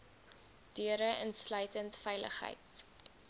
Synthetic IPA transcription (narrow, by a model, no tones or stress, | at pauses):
d̥yəɾəʔənslœɥtəntfɛjlə̰χɦə̰jt